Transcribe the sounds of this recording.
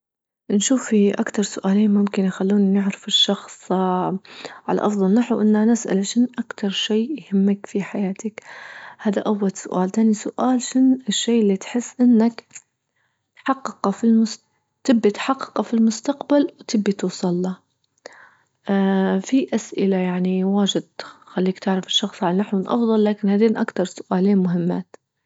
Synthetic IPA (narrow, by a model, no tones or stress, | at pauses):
nʃuːfiʔakt̪ɑɾˤsʊʔaːliːnmʊmkɪnjxalːuːnnɪʕɾɪfɪʃːɑxsˤ | ʕa̰la̰ʔɑfðˤɑlnaħwʔɪnːanɪsʔa̰lʃɪnʔakt̪ɑɾˤʃeːjhɪmːakfiħajaːt̪akhaːðaʔawːalsʊ̰ʔaːlt̪aːnisʊʔaːlʃɪnɪʃːeːʔɪlːit̪ħɪsːʔɪnːak | t̪ħɑqːɨqɑfilmʊ | t̪ɪbːit̪ħɑqːɨ̥qɑfilmʊst̪aqbalwt̪ɪbːit̪uːsˤɑlːɑ | fiʔasʔɪlajaʕniwaːʒɪd̪̚xalːiːkt̪ɪʕɾɪfɪʃːɑxsˤʕalnaħwɪnʔɑ̰fðˤɑlːaːkɪnhad̪eːnʔakt̪ɑɾˤsʊ̥ʔaːliːnmʊɦɪmːa̰ːt̪